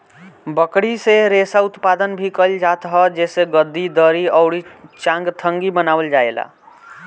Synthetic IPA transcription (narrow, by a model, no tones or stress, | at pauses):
bəkɽiseɾesaut̪pad̪ənbʱikəld͡ʒat̪ɦəd͡ʒeseɡəd̪ːid̪əɾiəʊɽit͡ʃãŋɡt̪ʰəŋɡibənabəld͡ʒaela̰